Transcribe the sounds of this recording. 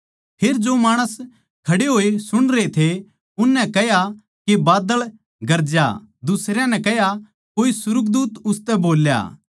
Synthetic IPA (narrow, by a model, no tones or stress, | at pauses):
pʰeːɾd͡ʒomaːɽ̃əs | kʰɐɽeɦoːesʊɽ̃ɾeet̪ʰe | ʊnːɛ̃kɛɦja | kebaːd̪əɭ | ɡɐɾd͡ʒja̰d̪ʊsɾjãnɛ̃kɛɦja | koːisʊɾʊk̚d̪uːt̪ʊst̪ɛboːlja̰ː